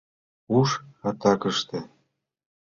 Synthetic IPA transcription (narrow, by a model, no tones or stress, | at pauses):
uʃɑt̪ɑkə̆ʃt̪ĕ